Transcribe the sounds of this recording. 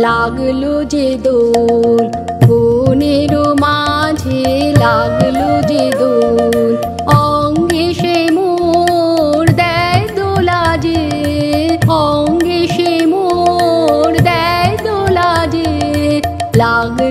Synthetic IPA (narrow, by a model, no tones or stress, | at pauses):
laɡlod͡ʑed̪ol | ɡuneɾomad͡ʑʱelaɡlod͡ʑed̪ol | ɔŋɡeʃemu | ɾd̪ɛjd̪olad͡ʑe | ɔŋɡeʃemu | ɾd̪ɛjd̪olad͡ʑeɾlaɡ